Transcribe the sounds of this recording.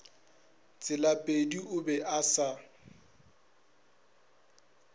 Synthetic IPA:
t͡sʼɪlapʼediʔʊbɛʔasa

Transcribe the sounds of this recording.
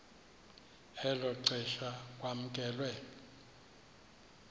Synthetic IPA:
ɛlɔǀɛʃak̬ʼwam̩k̬ʼɛːlwɛ

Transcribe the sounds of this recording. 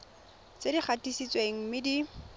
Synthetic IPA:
t͡sʼediχʰatisit͡sweŋ̩mɪdi

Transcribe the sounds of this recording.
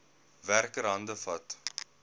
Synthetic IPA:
værkəɾɦɐndəfɐt

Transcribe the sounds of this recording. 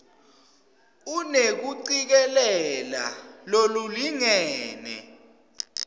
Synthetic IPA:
unek̬uǀik̬ɛlɛla̰loluliŋɛːnɛ̰

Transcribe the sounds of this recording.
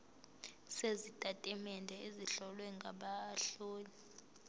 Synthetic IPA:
sezitʼatʼɛmɛndʱɛeziɬɔlwɛŋɡʱaɓaɬoːni

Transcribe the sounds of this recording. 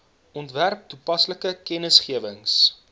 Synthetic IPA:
ʔɔntværp̚tupɐsləkəkɛnəsχiəvəŋs

